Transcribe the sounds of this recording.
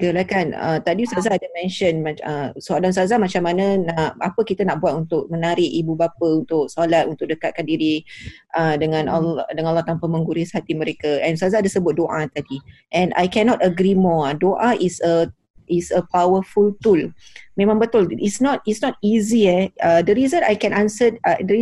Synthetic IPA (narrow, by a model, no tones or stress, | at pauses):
ɡəlakanə̰t̪adisazadəmɛ̃nʃənmaəsoadans̬azamat͡ʃamːanãnaʔapəkit̪anaʔbuat̪unt̪ʊk̚mənaɾɪʔibubapəunt̪ʊk̚solat̪̚unt̪ʊk̚dəkat̪̚kandiɾi | ʔədəŋãndəŋanɔlːaht̪ampaməŋɡuɾɪshat̪imə̃ɾekaɛ̃nsazadəsəbʊt̪̚doʔat̪adiʔɛ̃na̰jkɛnɔt̪əɡɾimɔdoʔaʔisə | ʔisəpawəfult̪ulmẽmãŋbət̪ʊlisnɔt̪̚isnɔt̪̚iziɛədəɾizəna̰jkɛ̃nãnsədəi